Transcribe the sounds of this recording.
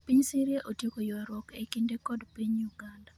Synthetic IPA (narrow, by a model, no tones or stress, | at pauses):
piɲsiɾjeʔotiekojɔaɾwɔkekindekɔdpiɲjuɡanda